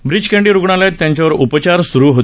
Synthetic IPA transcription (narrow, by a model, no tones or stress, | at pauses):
bɾid͡ʑkẽɳɖiːɾuɡɳ̃aljat̪ːjãɲt͡ɕjaʋəɾupət͡ɕaɾsuɾuːɦot̪